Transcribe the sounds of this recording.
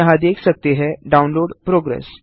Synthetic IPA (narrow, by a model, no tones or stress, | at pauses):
əɦad̪eksək̚t̪eɦɛɖaunloɽpɾoɡɾḛs